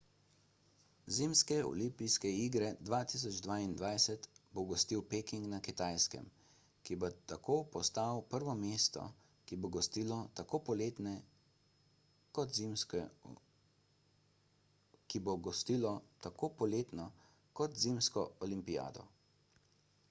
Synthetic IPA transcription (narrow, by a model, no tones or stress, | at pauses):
ziːmskɛɔ̰limpijskɛiːɡɾɛd̪ʋaːt̪is̬ɔd͡ʒd̪ʋaːind̪ʋajsɛt̪boɡɔst̪iwpekiŋknakit̪aːjskɛ̰m | kibot̪akʰoːpɔst̪aːwpəɾʋɔmeːst̪ɔ̰ | kiboɡɔst̪iːlɔt̪akoːpɔleːt̪nɛ | kɔt̪m | kiboɡɔst̪iːlɔt̪akoːpɔleːt̪nɔ | kɔt̪zimskɔɔlimpija̰ːd̪ɔ̰